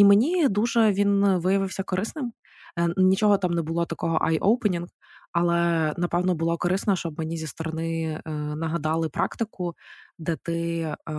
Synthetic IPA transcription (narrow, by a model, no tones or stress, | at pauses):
imenʲid̪uʒɛʋʲinʋɪjɐʋɪwsʲɐkɔɾɪsnɪm | nʲit͡ʃɔɦɔt̪ɑmnɛbʊlˠɔt̪ɐkɔɦɔ̰ʔajʔowpenʲinɡ | ɐlˠɛnɐpɛwnɔbʊlˠɔkɔɾɪsnɐɛʃt͡ʃɔb̚menʲizʲist̪ɔɾɔnɪnɐɦɐd̪ɑlˠɪpɾʔɑkt̪ɪkʊd̪ɛt̪ɪ